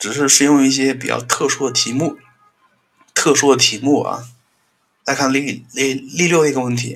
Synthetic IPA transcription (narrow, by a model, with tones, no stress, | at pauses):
ʈ͡ʂɻ̩˨˩ʂɻ̩˥˧ʂɻ̩˥˧jʊ˥˧ŋi˥˩ɕ̬jɛ˥pi˨˩t͡ɕjɑ̰˥˧ʊt̪ʰɤ˥˧ʂwɔ˥˩d̪ə˩t̪ʰi˧˥mu˥˩ | t̪ʰɤ˥˧ʂwɔ˥˩d̪ə˩t̪ʰi˧˥mu˥˩ɐ̰˧˩ | la˧˥ɪkʰa˥˩nli˥˧lli˥˧ljo˥˧ʊ˧i˧˥ɡə˧wə˥˩nt̪ʰḭ˧˥